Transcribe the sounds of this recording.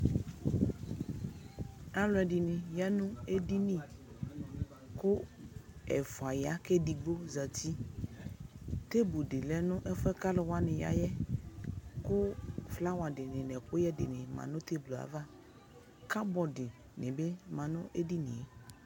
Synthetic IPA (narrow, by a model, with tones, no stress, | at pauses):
a˦lʊ˨˦ɛ˨dɪ˨nɪ̃˨ja˦nʊ̃˦e˦di˦nĩ˦ | kʊ˦ | ɛ˨fʊ˨a˨ja˦kɛ˦di˨ɡ͡bo˦za˨ti˦ | t̪e˦bu˨dɪ˨lɛ˦nʊ̃˦ʔɛ˦fɛ˦ka˦lɪ˨wa˦nɪ̃˨ja̰˦jɛ˦ | kʊ˦fla˦wa˨dɪ˨nɪ̃˨nɛ˨kʊ˦jɛ˦dɪ̰˨nɪ̃˨mã̰˨nʊ̃˦t̪e˦blo˨a̰˨va˦ | ka˦bɔ˨dɪ˨ | nɪ̃˨bɛ˦mã˨nʊ̃˦ʔe˦di˦nɪ̰̃˨˦